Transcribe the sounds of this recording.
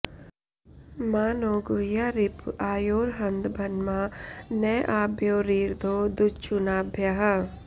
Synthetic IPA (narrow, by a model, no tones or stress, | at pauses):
maːnoːɡujaɾɪpaːjoːɾɦɐnd̪bʱɐnmaneʔaːbʱjoːɾiːɾd̪ʱoːd̪ut͡ʃunaːbʱjaɦ